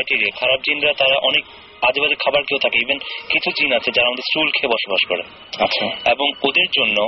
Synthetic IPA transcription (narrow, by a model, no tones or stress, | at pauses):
jʈiɾiakʰaɾab̚d͡ʑinɾat̪aɾaʔɔnek̚ | ad͡ʑebad͡ʑekʰabaɾkeot̪ʰakeebenkit͡ɕʰud͡ʑinat͡ɕʰed͡ʑaɾaamad̪eɾsʈulkʰebɔʃobaʃkoɾe | aaeboŋod̪eɾd͡ʑonːo